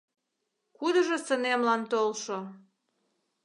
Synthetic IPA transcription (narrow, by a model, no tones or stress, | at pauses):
kud̪əʒəsənemlɑnt̪olʃo